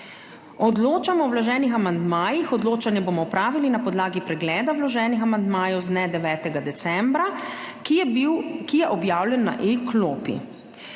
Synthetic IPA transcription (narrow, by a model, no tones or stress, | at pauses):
ɔd̪loːt͡ʃamɔwwlaʒɛːnixamand̪maːjixɔd̪loːt͡ʃanjɛbomɔpɾaːʋilinapɔd̪laːɡipɾɛɡlɛːd̪awlaʒɛːnixamand̪maːjɛwznɛd̪ɛʋɛːt̪ɛɡad̪ɛt̪sɛmbɾa | kijɛʔɔbjaːwlʲjɛnːa̰ʔekloːpḭ